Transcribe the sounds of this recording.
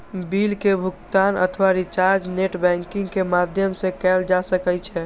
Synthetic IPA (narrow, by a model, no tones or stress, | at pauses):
bilkebʱʊkt̪anə̰t̪ʰʋaɾit͡ʃaɾd͡ʒneʈbɛ̃ŋkɪ̃ŋɡkemad̪ʱjəmsẽkɛld͡ʒasəkɛt͡ʃʰɛ